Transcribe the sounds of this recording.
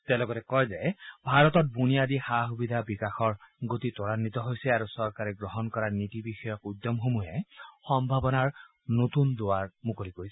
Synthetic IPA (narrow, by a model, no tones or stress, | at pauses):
tɛlɔɡɔtɛkɔjzɛbʱaɹɔtɔt̚bunijadixaɦubidʱabikaxɔɹɡotitɔɹanːitɔɦojsɛaɹusɔɹkaɹɛɡɹɔɦɔnkɔɹanitibixɔjɔkudːɔmxomujɛxɔmbʱabɔnaɹ | notundʊwaɹmukolikojsɛ